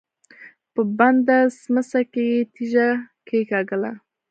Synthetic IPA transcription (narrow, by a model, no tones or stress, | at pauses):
pəband̪asməsakejet̪iʒakʰekɑɡəla̰